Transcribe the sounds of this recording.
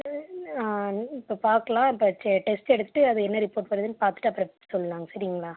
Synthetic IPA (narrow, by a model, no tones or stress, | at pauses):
aːɪpːoːpaːɾkɐlãːɪpːoʈɛsʈɛɽɯt̪ːɯ̥ʈːɯɐðɯɛnːɐɾɪpoːʈpɐɾɐðɯnːɯpaːɾt̪ɯ̥ʈːɯɐpːɯɾɐsɔlːɐɾaːŋɡɐsɐɾɪjŋɡɐɭaː